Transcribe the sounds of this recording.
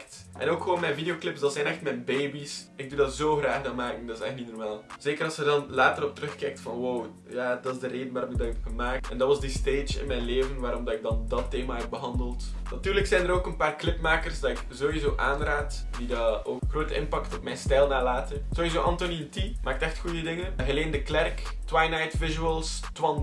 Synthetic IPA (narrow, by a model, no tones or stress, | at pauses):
ktʔɛ̰noːkxəʋoːnmɛjnvideoklɪpsdɑtsɛnɛxtmɛjnbeːbisɪɡ̚dudɑtz̥oːɣraːɣdɑmaːkəŋdɑɪsɛxtnidənmaːlˠz̥eːkəɾɑsxədɑnlaːtəɾɔptəɾɵxkɛjk̚tfɑnwow | jaːdɑtɪzdəreːdənʋaːɾɔmɪɡ̚dɑtɛpɣəmaːk̚tɛndɑtʋɑzdəsteːd͡ʒɪ̰nmɛjnleːvənʋaːɾɔmdɑtɪɡ̚dɑndɑtːeːmaːɦɛp̚bəɦɑndəlˠt | nɑtyːrləksɛjndəɾoːkənpaːrklɪpmaːkərsdɑɪkzoːwizoːʔaːnraːtd̥idaoːxroːtəʔɪnpɑktɔpmɛjnstɛjlˠnaːlaːtənz̥oːɦizoːʔɑntoniəntimaːk̚tɛxtxujədɪŋənɦəleːndəklɛrktwajnajtvɪʒyəlˠs | twɑn